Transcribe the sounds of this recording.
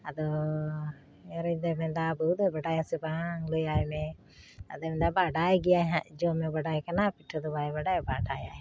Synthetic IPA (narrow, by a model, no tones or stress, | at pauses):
ad̪ɔ | ɛɾɛd̪ɛmɛnd̪abəud̪ɛbaɖajasɛbaŋlɔjajmɛ | ad̪ɔmɛnd̪abaɖajɡɛjajɦaʔd͡ʒɔmɛbaɖajkanapiʈʰɔd̪ɔbajɛbaɖajbaɖaja̰j